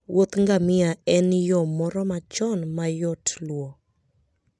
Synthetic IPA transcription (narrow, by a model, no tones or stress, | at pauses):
wʔot̪ŋɡamɪaɛnjɔmɔɾɔmat͡ʃɔnmajɔtʰlwo